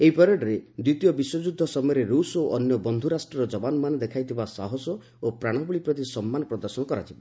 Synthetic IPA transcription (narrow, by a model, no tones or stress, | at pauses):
eɦipɔɾɔɖɔɾed̪ɾit̪ijɔbiswɔd͡ʒud̪ʱːɔsɔmɔjɔɾeɾusoʔɔnjɔbɔnd̪ʱuɾasʈɾɔɾɔd͡ʒɔbanɔmaned̪ekʰajt̪ʰibasaɦɔsɔ | opɾaɽ̃ɔbuɭipɾɔt̪̬isɔmːanɔpɾɔd̪ɔɾsɔnɔkɔɾat͡ʃ̪ʰiba